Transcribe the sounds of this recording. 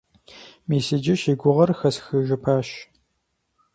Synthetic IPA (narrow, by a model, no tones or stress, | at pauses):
meːseːd͡ʒɐʃiːɡʷʊʁɐrxɐsxɨʒɐpʰaːɕ